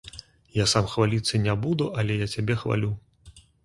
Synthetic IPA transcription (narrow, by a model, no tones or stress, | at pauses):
jasamxvalʲit̪sːɐnʲabud̪uʔɐlʲɛjat͡sʲabʲɛxva̰lʲu